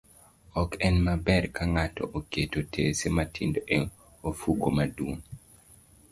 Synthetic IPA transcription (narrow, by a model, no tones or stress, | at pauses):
ɔkɛnmabɛɾkʰaŋatɔ̰ʔoketotʰesematʰindoʔɛŋ | ofukomaduŋ